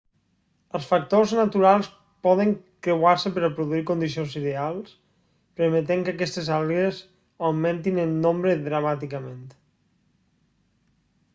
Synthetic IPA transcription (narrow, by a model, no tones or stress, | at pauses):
əlˠsfak̚t̪oznat̪uɾalˠs | pɔðəŋkɾewaɾsəpəɾəpɾuðuikond̪is̬ionziðealˠs | pəɾmət̪eŋkakɛst̪ezalˠez | awment̪inənːombɾəðɾəmat̪ikəment̪